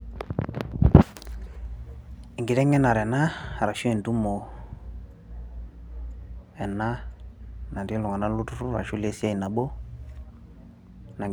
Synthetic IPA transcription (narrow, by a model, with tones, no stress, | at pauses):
i˨ŋɡi˨tɛ˦ŋɛ˦na˨ɾɛ˨na˦a˨ɾa˨ʃo˦ɛ˨n˨tu˦mo˨ | ɛ˨na˦ | na˨di˦lu˨ŋa˨na˦lu˦tu˦ɾu˦ɾa̰˨ʃu˦le˦si˦a˦i˨na˨bo˦ | na˨ŋ